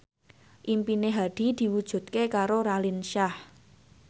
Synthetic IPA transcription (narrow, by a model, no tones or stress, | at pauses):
ʔimpineɦaɖ̪̥i̤d̪̥i̤wud̥ʒ̥ṳt̪̚kekaɾoɾalinʃah